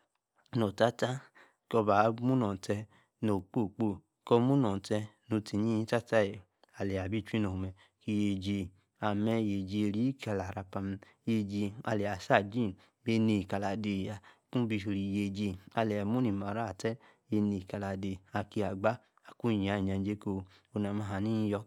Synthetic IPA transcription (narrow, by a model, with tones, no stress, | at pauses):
no˨ta˦ta˦ | kɔ˧ba˨˧˦mu˦nɔ˨tɛ˧ | no˨k͡po˦˨k͡po˦˨ | kɔ˧˦mu˦nɔ˨tɛ˧no˧ti˨ɲi˦i˦ta˦ta˦e˨ | a˨lɛ˨a˨bi˦˨t͡ʃi˦no˨u˧mɛ˧ | ki˧je˨d͡ʒe˧ | a˨mɛ˧je˨d͡ʒi˧ɾi˦ka˧˨la˨ɾa˧pa˧m˧ | je˧d͡ʒi˧a˧˨lɛ˨a˨sa˦˨d͡ʒi˦˨ | be˦˧ni˧˨ka˨˧la˨de˧˨ja˧˨kũ˦bi˧˨o˧ɾi˧˨je˧˨d͡ʒi˧a˧lɛ˨a˨mu˦ni˨ma˨ɾa˦˨tɛ˦ | je˧ni˧˨ka˧la˨de˨a˨ki˧a˨ɡ͡ba˦ | a˨ku˦˨ɲ˨a˨˦i˨ɲa˨˧n˦d͡ʒe˦ko˧ | o˧na˧˨ma˧ɦa˨ni˦jɔ˧